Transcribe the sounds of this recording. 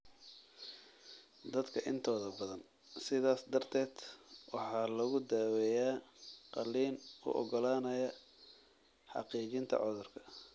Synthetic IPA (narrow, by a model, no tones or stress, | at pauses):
d̪ɐd̪kʰɐʔɪnt̪ʰɔːðɐbɐðɐn | sɪðaːsd̪ɐrt̪ʰɛːd̪wɑħɑːlɐɣʊd̪aːwɛjaːqɑlːiːnʊ̰ʔɔ̰ɡɔlaːnɐjɐ | ħɑ̰qiːt͡ʃɪnt̪ʰɐ̰ʕɔðʊrkʰɐ̥